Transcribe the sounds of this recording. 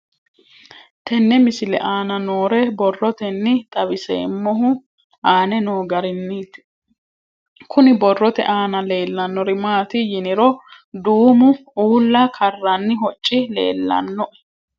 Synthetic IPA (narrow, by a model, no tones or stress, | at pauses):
t̪ɛnːɛmɪsɪlɛ̰ʔaːnɐnoːɾɛbɔrːɔt̪ɛnːɪt̪ʼɐbɪsḛːmːɔɦʊ | aːnɛno̞ːɡɐɾɪnːɪt̪ | kʰʊnɪbɔrːɔt̪ɛ̰ʔaːnɐle̞ːlːɐnːɔɾɪmaːt̪ɪjɪnɪɾɔ | d̪uːmʊuːlːɐkʰɐrːɐnːɪɦɔt͡ʃʼːɪle̞̰ːlːɐ̰nːɔʔɛ̥